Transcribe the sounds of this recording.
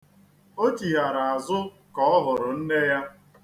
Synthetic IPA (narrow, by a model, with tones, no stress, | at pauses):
o˦t͡ʃi˨ɦa˨ɾa˨a˨zʊ˦ | kɔ˨ɔ˦ɦʊ˨ɾʊ˨n̩˦ne˦ja˦